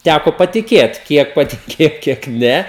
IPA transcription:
ˈtʲækoː pɐtʲɪˈkʲeːt ˈkʲiɛk pɐtʲɪˈkʲeːjoː kʲiɛk ˈnʲɛ

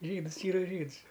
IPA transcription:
ˈʒʲiːdɨs ˈiːrɐ ˈʒʲiːts

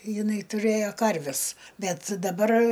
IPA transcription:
jɪˈnɐɪ tʊˈrɘjoː ˈkɐrʲʋʲɛs ˈbʲɛt dɐˈbɐr

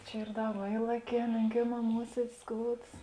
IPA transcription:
ˈt͡ʃʲɛ ˈiːr ˈdɐ ʋɐ ˈiːlˠɐˌkʲɛː lʲeːŋʲˈkʲeːˌmɑː ˈmuɔsʲiɛdʲɪs ˈskoːʊts

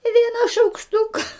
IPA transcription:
ɪ ˈʋʲiɛnɐ ʃɐʊkʃˈtʊkɐ

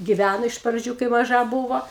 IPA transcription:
ɡʲɪˈʋʲænoː ɪʃ prɐˈd͡ʒʲuː kɐɪ mɐˈʒɐ ˈbuːʋoː

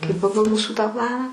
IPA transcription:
kɐɪ ˈpɑːɡɐlˠ ˈmuːsuː tɑː ˈplˠɑːnɑː

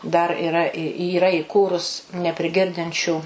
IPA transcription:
dɐr ɪˈrɐ ɪ iːˈrɐ ɪˈkuːrʊs nʲɛpʲrʲɪˈɡʲɪrʲdʲɪnʲt͡ʃʲuː

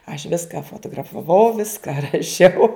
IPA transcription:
ɐʃ ˈʋʲɪskɐ foːtoːɡrɐfɐˈʋɐʊ ˈʋʲɪskɐ rɐˈʃʲɛʊ

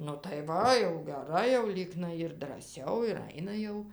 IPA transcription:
nʊ tɐɪ ˈʋɐ jɛʊ ɡʲɛˈrɐɪ jɛʊ ˈlʲiːknɐɪ ɪr drɐˈsʲɛʊ ɪr ˈɐɪnɐ jɛʊ

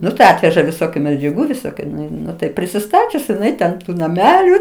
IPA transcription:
ˈnʊ tɐɪ ˈɑːtʲʋʲɛʒɐ ʋʲɪˈsoːkʲʊ mʲɛd͡ʒʲɛˈɡuː ʋʲɪˈsoːkʲʊ ˈnʊ ɪ ˈnʊ tɐɪ pʲrʲɪsʲɪˈstɑːt͡ʃʲʊs jɪˈnɐɪ tʲɛn ˈtuː nɐˈmʲæːlʲuː

